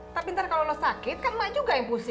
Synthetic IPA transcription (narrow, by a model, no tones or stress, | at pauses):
t̪apint̪arkalolosakɪt̪̚kanmad͡ʒuɡajaŋpus